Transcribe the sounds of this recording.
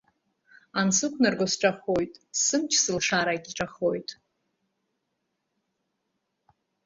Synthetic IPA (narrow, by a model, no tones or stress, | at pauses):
ansɨkʷʰnɨrɡʷosʈ͡ʂʼaχojtʼsɨmt͡ʃʰsɨlʂaɾaɡʲiʈ͡ʂʼaχojtʼ